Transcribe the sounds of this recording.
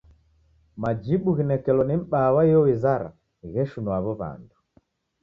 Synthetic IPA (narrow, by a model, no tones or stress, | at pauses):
mad͡ʒiɓuɣinɛkɛlɔnim̩ɓawaijɔwizaɾa̰ | ɣɛʃunwaβɔβa̰ndu